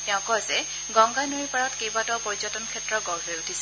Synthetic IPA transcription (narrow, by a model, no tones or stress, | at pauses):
tɛʊ̃kɔzɛ | ɡɔ̃ŋɡanoɹipaɹɔtkejbatɔpɔɹizɔtɔnkʰɛtːɹɔɡɔɹɦojutʰisɛ̥